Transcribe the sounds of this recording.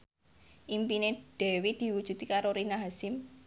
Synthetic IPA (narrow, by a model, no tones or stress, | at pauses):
ʔimpined̥ɛwid̪̥i̤wud̥ʒ̥ṳt̪ikaɾoɾinaɦasɪm